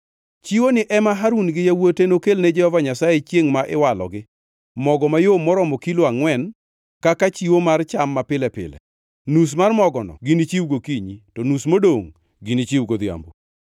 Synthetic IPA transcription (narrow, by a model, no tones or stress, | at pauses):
t͡ʃiwonɪʔɛmaɦaɾunɡɪjawotenokelned͡ʒɛhɔvaɲasajet͡ʃjeŋmaʔɪwalɔ̰ɡɪ | mɔɡɔmajomːɔɾɔmɔkiloaŋwɛn | kakat͡ʃiwomart͡ʃamːapɪlɛpɪ̰lɛ̰ | nus̬marmɔɡɔnɔ̰ɡinɪt͡ʃiuɡokiɲitɔnusmodoŋ | ɡinit͡ʃiuɡod̪ɪa̰mbu